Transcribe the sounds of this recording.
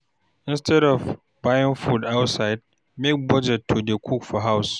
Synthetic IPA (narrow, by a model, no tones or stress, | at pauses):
ʔɪ̃nstɛdɔv | bajɪ̃ŋfudawtsaɪd̚ | mek̚bɔd͡ʒɛtʰːudekʰukfɔɦaws